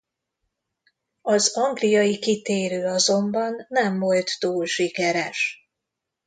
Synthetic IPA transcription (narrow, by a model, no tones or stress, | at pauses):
ɒzɒŋɡlijɒjikit̪eːɾøːɒzo̞mbɒnːɛmvo̞lt̪t̪uːlʃikɛɾɛʃ